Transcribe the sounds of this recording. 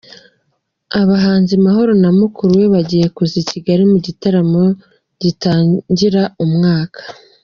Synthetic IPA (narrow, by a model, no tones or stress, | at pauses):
aβaɦaːnzimaɦo̞ɾo̞namukuɾuweβaɟije̞kuziciɡaɾimuɟitaɾamo̞ | ɟ̥itaːɲɟiɾaumŋaːkʰḁ